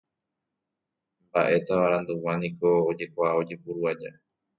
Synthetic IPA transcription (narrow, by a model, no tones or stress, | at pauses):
mbaʔe̞t̪aβaɾãnd̪uwãnĩko̞ːd͡ʒe̞kʷao̞d͡ʒepuɾuad͡ʒa